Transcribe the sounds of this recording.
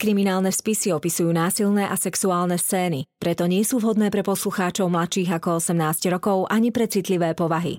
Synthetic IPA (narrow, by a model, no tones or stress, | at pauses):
kɾiminaːlnɛfspisiɔpisujuːnaːsilnɛʔasɛksuaːlnɛst͡sɛːnipɾɛt̪ɔɲɪɛsuːʋɦɔd̪nɛːpɾɛpɔsluxaːt͡ʃɔʊmlat͡ʃiːɣakɔɔsɛmnaːzcɾɔkɔʊʔaɲipɾɛt͡sit̪liʋɛːpɔʋaɦḭ